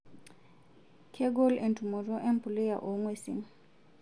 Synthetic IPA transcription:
kʰɛ˦ɡo˦le˨ntʰʼu˨mɔ˨rɔ˦ʔe˦mpʰʼu˨lɛ˦ja̰˨ʔɔ˨ŋwe˦sḭ˨ŋ̩

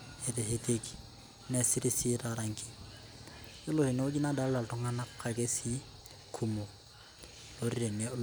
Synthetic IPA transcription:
e˨teɦe˦teki̥ | ne˦si˦ɾi˦si˦ɾaɾaŋki̥˦ | ɪ˦lo˨hɪ˨no˦o˦ki˦na˦da˦lla˨ltʊ˨ŋa˦na˦kʰa˨ke˦si˦ | kʰu˨mo˨ | lo˨ɾi˦ɾe˨ne

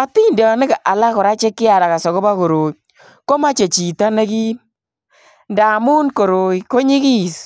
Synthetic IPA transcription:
a˦ti˦ndɔː˨nɪ˦kʔa˨la˦kɔ˨ɾa˦t͡ʃe˦kːɪ˦a˨la˨ka˨sɔ˨ko˦ba˦ko˨ɾoː˨i | ko˦ma˦t͡ʃe˨t͡ʃi˨ta˦nɛ˦ki˦ | nda˨mu˦nko˨ɾo˨iko˦ɲi˦ki˦˨s

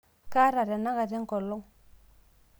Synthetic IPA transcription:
ka˦ɾa˨ɾɛ˨na˦ɣa˨ɾɛ˦ŋ˦kɔ˨lɔ˦ŋ

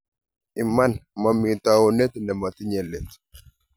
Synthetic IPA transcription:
ʔi˨mːa˦nma˨mːi˨t̪awɔ˨nɛ˦t̪nɛ˨ma˨t̪i˦ɲɛ˨lːɛ˨t̪

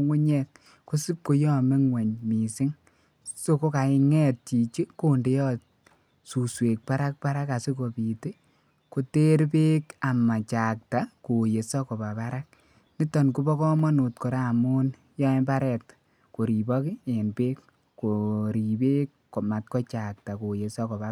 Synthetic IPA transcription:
ŋu˦ɲɛ˦k̚ | ku˦si˦p̚ko˦jɔ˦me˦ŋwe˨ɲmi˨sɪ˦ŋ | so˦ko˦ka˨ɪ˧ŋɛ˦t̚t͡ʃi˨t͡ʃi˦ko˦nde˨˦jɔ˦t | su˨swe˨k̚pa˦ɾa˦k̚pa˦ɾa˦ka˨se˦ko˨pi˨ti˦ | ko˨te˦ɾpeː˦ka˨ma˨t͡ʃa˨k̚ta˨ko˨je˨sa˦kɔ˨pa˨pa˦ɾa˦k̚ | ni˦tɔ˨nku˦bɔ˦kɔ˦mɔ˦nu˨tko˨ɾa˦˨mu˦n | jɔ˦e˦mba˦ɾɛ˨t | ko˨ɾi˨bɔ˦ki˦e˨npeː˦k | ko˨ɾi˨beː˦kː | o˨ma˨t̚kɔ˦t͡ʃa˨k̚ta˨ko˨je˨sa˦kɔ˨pa˨

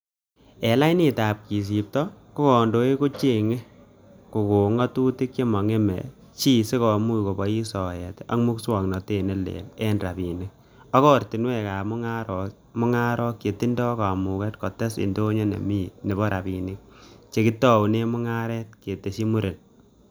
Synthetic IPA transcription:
ɛ˨la˦ini˦ta˨p̚ki˨s̬i˨p̚tɔ˦ku˦kɔ˨ndo˨e˦ko˦t͡ʃe˦˨ŋe˦ | ko˨ko˨ŋɔ˦tu˦ti˦kːe˦mɔ˨ŋe˦mɛ̰˨ | t͡ʃi˦se˦kɔ˨mu˦˨ko˨bɔ˦i˦sɔ˨jɛ˨ta̰˦ŋmu˦kswɔ˨ŋnɔ˨te˦˨ne˦lḛ˨le˦nra˨bi˨ni˦k̚ | ɔ˦kɔ˦ɾti˨nwɛ˦˨ka˨mʊ˦ŋa˦ɾɔ | mʊ˦ŋa˦ɾɔ˦kje˨ti˦ndɔ˦ka˨mu˨kɛ˦tkɔ˨tɛ˦sḭ˨ndo˦ɲo˦nḛ˨mi˦˨t̚ne˨bɔ˦ɾʔa˨pi˨nɪ˦k̚t͡ʃe˨ki˦tɔ˦u˨ne˦mʊ˦ŋa˦ɾɛ˦t̚ke˨te˨ʃi˦mu˦ɾʔe˨n

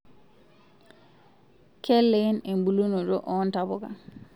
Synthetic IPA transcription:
kʰɛ˦lːe˦ne˨mbu˨lu˦no˨ɾo˦ʔɔ˦ntabɔ˦ka̰

